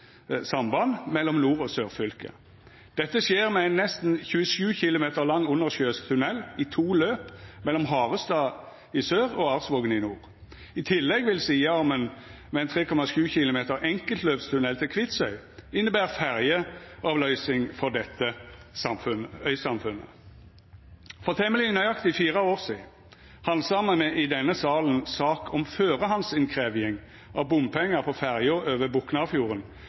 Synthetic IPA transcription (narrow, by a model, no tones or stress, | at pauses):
sɑmbɑnmɛlːɔmnuːʁɔsøːʁfʏlkə̰ | d̪̥ɛt̪ːəsjeːʁmɛɛɪnːɛst̪n̩çʉəʃʉːçɪlʊmeːt̪əʁlɑŋːʊnːəʁʃøːskt̪ʰʉnɛlːɪt̪ʰuːløːpmɛlːɔmɦɑːʁəst̪ɑː | ɪsøːʁɔɑʁsʋoːɡənɪnuːʁ | ɪt̪ʰɪlːɛɡʋɪlsiːɑɔmɛn | mɛɛnt̪ʰʁeːkʰɔmɑʃʉːçɪlʊmeːt̪əʁʔɛŋkəlt̪løːpst̪ʰʉnɛlt̪ʰɪlkʰʋɪt̪sœʏɪnːəbæːʁfæʁjəɑʋlœʏsɪŋfɔʁd̪ɛt̪ːəsɑmfʉnəœʏsɑmfʉnːə̰ | fɔʁt̪ʰɛməlinœʏɑkt̪ɪfiːʁəoːʁsḭː | hɑnsɑmənmɛʔɪd̪ɛnːəsɑːlən̩sɑːkʰɔmføːʁəhɑnsɪnkʰʁeːʋɪɪŋ | ʔɑʋbʊmpʰɛŋːəʁpʰɔfæʁjʊʁøːʋəbʊknɑfjuːʁən